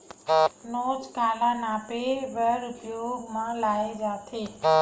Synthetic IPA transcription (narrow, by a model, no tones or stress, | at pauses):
noːd͡ʒkaːlanaːpeʋəɾʊpɪjomãlaːed͡ʒaːt̪ʰeː